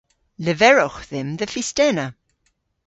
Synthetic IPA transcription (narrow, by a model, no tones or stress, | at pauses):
ləvɛɹɔxðɪmðəfistɛnə